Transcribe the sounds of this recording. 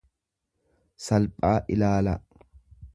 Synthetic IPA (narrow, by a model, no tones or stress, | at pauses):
sɐlpʼːaːʔɪlaːlɐ